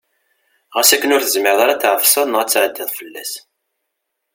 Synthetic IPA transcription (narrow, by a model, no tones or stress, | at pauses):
ʁəsækːənʊɾθəzmɪɾðˤaɾˤɑt̪ːʕəfsˤɑnʁæt͡sːʕəd̪ːiðˤfəlːæ̰s